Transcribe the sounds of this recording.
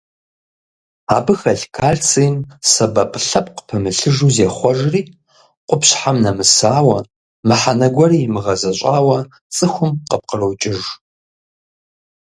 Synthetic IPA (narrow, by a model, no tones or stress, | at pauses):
a̰ːbɨxɐɬkʰaːɮt͡sʰijmsɐbɐpʼɬɐpʼqə̥pʰɐmɨɬɨʒuːzeχʷɔʒriː | qʷʼʊpɕħamnɐmɨsaːwɐ | mɨħanɐɡʷɐriːmɨʁɐzɐɕʷʼaːwɐ | t͡sʼɨxʷʊmqəp̚qərowt͡ʃʼɪʒ